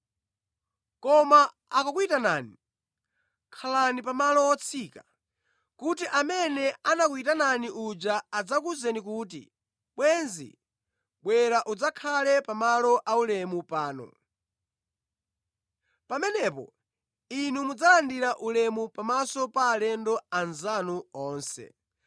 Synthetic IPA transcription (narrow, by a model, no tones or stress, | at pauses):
kɔmaː | kakuitanaːni | kʰalanipamalɔɔt͡sʰiːka | kutiʔamɛnɛanakuitananiʔud͡ʒaːd͡zakuzɛnikuːtḭ | ɓwɛnzḭ | ɓwɛɾaʔud͡zakʰalɛpamalɔʔaulɛmupaːnɔ̰ | pamɛnɛpɔ̰ | inumud͡zalandiɾaʔulɛmupamasɔpaːlɛndɔanzanuɔːnsɛ̰